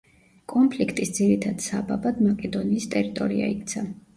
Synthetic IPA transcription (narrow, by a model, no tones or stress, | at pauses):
kʼɔmpʰlikʰt̪ʼisd̪ziɾit̪ʰad̪sababad̪makʼɛd̪ɔniːst̪ʼɛɾit̪ʼɔ̰ɾia̰ikt̪sʰa